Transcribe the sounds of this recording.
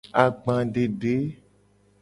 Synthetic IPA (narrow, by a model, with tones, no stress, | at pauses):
a˨ɡ͡bã˨ɖe˨ɖe˨˦